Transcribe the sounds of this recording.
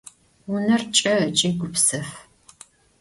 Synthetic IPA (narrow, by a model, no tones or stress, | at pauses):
wʊnɐrt͡ʃʼɐt͡ʃʼiːɡʷʊpsɐf